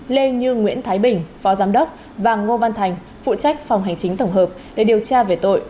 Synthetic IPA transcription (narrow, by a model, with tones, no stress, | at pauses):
le˧ɲɨ˧ŋwḭ˧˥ənt̪ʰaː˨˦jɓï˨˩ŋ̟fɔ˨˦zaː˨˦mɗə˦˥wk͡p̚ | vaː˨˩ŋo˧va˧nt̪ʰa˨˩jŋ̟ | fṵ˧˨t͡ɕa˦˥k̟̚fa˨˩wŋ͡mɦa˨˩jŋ̟t͡ɕï˨˦ŋ̟t̪ə˧˩wŋ͡mɦəː˨˩p̚ɗe˧˩ɗi˨˩əwt͡ɕaː˧ve˨˩t̪o̰˧˨jʔ